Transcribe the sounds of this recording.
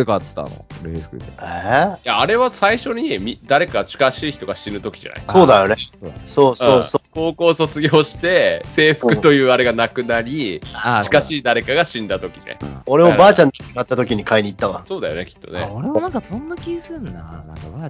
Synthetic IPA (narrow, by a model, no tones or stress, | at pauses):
ekat̪ːa̰no̰ɾeːɸɯ̥kɯ̟t̪eejaːɾe̞βasaiɕo̞ɲ̟imʲid̪aɾe̞kaɡat͡ɕi̥kaɕiːçi̥t̪o̞ɡaɕinɯ̟t̪o̞kʲi̥ʑa̰na̰jso̞ːd̪ajo̞nesoːsɯ̃oːoko̞ːko̞ːso̞t͡sɨɡʲo̞ːɕi̥t̪e̞se̞ːɸɯ̟̥kɯ̟t̪o̞jɯ̟ːaɾe̞ɡanakɯ̟naɾʲiat͡ɕi̥kaɕiːd̪aɾe̞kaɡaɕĩnd̪at̪o̞kʲinḛo̞ɾeobaːt͡ɕãnd̪eiɡat̪ːat̪o̞k̬ʲiɲ̟ikaiɲ̟iːt̪ːaβãso̞ːd̪ajo̞ne̞kʲi̥t̪ːo̰nḛoɾemonãŋkasõnːakʲisɨɾɯ̃nanãkaβa